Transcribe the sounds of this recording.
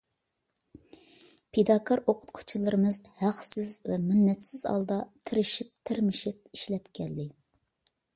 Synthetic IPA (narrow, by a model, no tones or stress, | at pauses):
pʰed̪ɑkʰɑɾoqʰʊ̥t̪qʰʊ̥t͡ʃʰilˠɨɾɨmɨzhæqsɪzvɛmɪnːɛt̪sɪz̥ɑ̰lˠd̪ɑt̪ʰɪɾɪʃip̚t̪ʰɪɾmɪʃip̚iʃlɛpkʲʰɛlːɪ